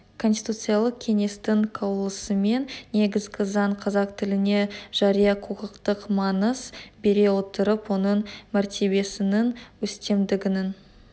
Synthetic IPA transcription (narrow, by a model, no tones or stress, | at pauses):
kʰo̞nsi̥t̪ut̪sɨjalˠəq̚kʲʰe̞ŋe̞st̪ɪŋkʰowlˠəsəme̞nːe̞ɡʲɪzɡʲɪzɑɴqʰɑzɑqt̪ʰɪlɪne̞ʒ̥ɑɾijɑqʰuqəqt̪əqmɑnəsbe̞ɾe̞wo̞t̪əɾəpwo̞nəɴmæɾt̪ʰe̞be̞sɪnɪŋwɵst̪e̞md̪ɪɡʲɪnɪn